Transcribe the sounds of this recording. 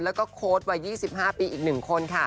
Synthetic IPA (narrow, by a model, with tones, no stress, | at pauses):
lɛː˦˥wkɔː˥˩kʰoː˦˥t̪̚wa˧jːiː˥˩si˨˩p̚haː˥˩piː˧ʔiː˨˩k̚nɯ˨˩ŋkʰo˧nkʰa˥˩